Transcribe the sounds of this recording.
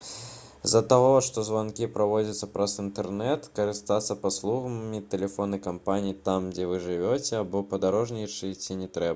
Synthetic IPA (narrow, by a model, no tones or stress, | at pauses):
zɐt̪aɣɔʂt̪ɔzvankʲipɾavɔd͡zʲɐt̪sːɐpɾɐsɨnt̪ɛrnɛt̪kɐɾɨst̪at̪sːɐpaslˠuɣɐmʲit̪ɛlʲɛfɔnɐjkampanʲijit̪amd͡zʲɛvɨʐɨvʲɔt͡sʲɛabɔpɐd̪aɾɔʐnʲɛjt͡ʂɨt͡sʲinʲɛt̪ɾɛbɐ